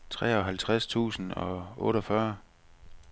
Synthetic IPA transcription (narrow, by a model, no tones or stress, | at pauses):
t͡sʰʁɛ̰ːɒ̽ɦælt͡sʰʁast͡sʰṵːsn̩ɒ̽ɔ̽ːɾɒfɶɐ